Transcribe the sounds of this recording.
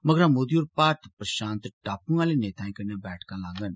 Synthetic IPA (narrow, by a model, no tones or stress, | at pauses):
mɐɡɾãmoːd̪iuɾpaːɾt̪pɾəʃãːnt̪ʈaːpũŋɡãːleneːt̪ʰaːĩkɐɾnjãbɛːʈʰkãlaːɡən